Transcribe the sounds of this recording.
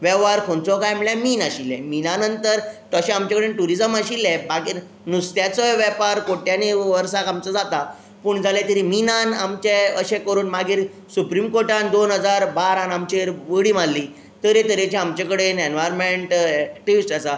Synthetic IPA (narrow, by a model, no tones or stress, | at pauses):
ʋɛʋaɾkʰont͡sɔkajmiɭjãmiːnaɕilɛminanənt̪əɾt̪əɕɛ̃amt͡ɕakəɽenʈuɾid͡zəməɕilɛbaɡiːɾ | nust̪jat͡sɔjʋɛpaɾkoʈjaniʋəɾsakamt͡sɔd͡zat̪a | puːɳd͡zʱalɛt̪əɾiminanamt͡ɕeəɕɛ̃kəɾuːnmaɡiːɾ | supɾimkoɾʈãnd̪onɦəd͡zaɾbaɾanamt͡ɕeɾʋəɽiːmallːi | t̪əɾet̪əɾet͡ɕiamt͡ɕakəɽenenʋajɾmeɳʈk̚ʈiʋisʈat͡sa